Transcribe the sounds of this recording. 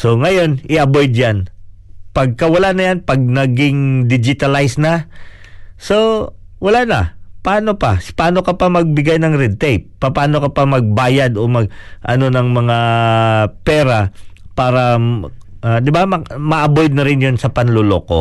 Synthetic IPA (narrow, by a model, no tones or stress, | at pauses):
so̞ŋɐjo̞nʔɪʔɐbo̞jd̪̚janpɐɡ̚kɐwɐlanɐjanpɐɡ̚nɐɡɪŋd̪ɪd͡ʒɪt̪ɐlajsnɐ | so̞wɐlanɐpɐʔaːno̞pɐpɐaːno̞kɐpɐmɐɡ̚bɪɡajnɐŋɾɛd̪̚t̪ɛjp̚ːɐpaːno̞kɐpɐmɐɡ̚baːjɐd̪o̞mɐɡ̚ʔɐ̰no̞nɐŋmɐŋa | pɛːɾɐpaːɾɐ | ʔad̪ɪbamɐmɐʔɐbojd̪̚nɐɾɪnjonsɐpɐnlolo̰ko̞̰